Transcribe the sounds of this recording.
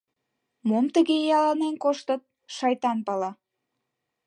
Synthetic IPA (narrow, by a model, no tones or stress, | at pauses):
momt̪əɣejɑlɑnenkoʃt̪ət̪̚ | ʃɑjt̪ɑnpɑlɑ